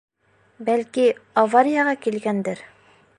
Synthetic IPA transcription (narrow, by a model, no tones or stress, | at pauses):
bælkiɐvaɾʲɪjɑʁɑkilɡænd̪ɘɾ